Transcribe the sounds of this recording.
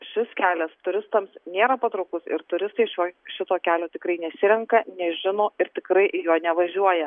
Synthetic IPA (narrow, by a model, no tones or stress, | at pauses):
ʃʲɪskʲæːlʲɛst̪ʊɾʲɪst̪ɐmsnʲeːɾɐpɐt̪ɾɐʊkʊsɪ̰ɾt̪ʊɾʲɪst̪ɐɪʃʲoːʃʲɪt̪oːkʲæːlʲoːt̪ʲɪkɾɐɪnʲɛsʲɪɾʲɛŋkɐnʲɛʒʲɪnoːɪɾt̪ʲɪkɾɐɪʔjoːnʲɛʋɐʒʲuɔjɛ